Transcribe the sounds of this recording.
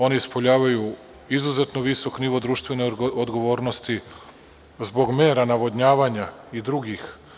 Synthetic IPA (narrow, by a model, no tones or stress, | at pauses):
o̞niispo̞ʎaːʋaju | izuzet̪noʋiso̞kniʋo̞d̪ɾuːʃt̪ʋe̞neod̪ɡo̞ʋo̞ːɾnost̪i | zbo̞ɡme̞ːɾanaʋo̞d̪ɲaːʋaɲaid̪ɾuɡix